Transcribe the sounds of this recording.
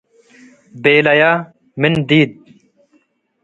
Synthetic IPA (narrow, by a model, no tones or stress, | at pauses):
beːlɐjaː | mind̪iːd̪̚